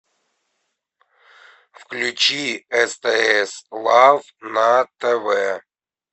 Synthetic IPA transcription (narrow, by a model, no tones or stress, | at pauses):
fklʲʉt͡ɕiɛst̪ɛɛslˠav | nat̪ɛvɛ